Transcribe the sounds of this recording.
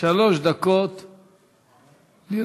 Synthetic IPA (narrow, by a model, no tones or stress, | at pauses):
aloʃd̪akot̪ | li